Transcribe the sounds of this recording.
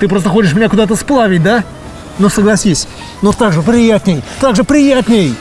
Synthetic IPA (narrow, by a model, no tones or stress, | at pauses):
t̪ɨpɾo̞st̪əxo̞t͡ʃɪʂ̬mʲɪnʲakʊd̪at̪̬əsplˠavʲɪt̚ʲd̪a | nosəɡlˠɐsʲisʲ | not̪aɡʐɨpɾʲɪjat̪ʲnʲɪjt̪aɡʐɨpɾʲɪjat̪ʲnʲej